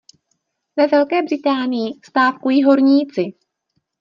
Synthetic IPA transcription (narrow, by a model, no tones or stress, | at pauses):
vɛvɛlkɛːbrɪt̪aːnɪjɪst̪aːfkujiːɦo̞ɾɲiːt͡sɪ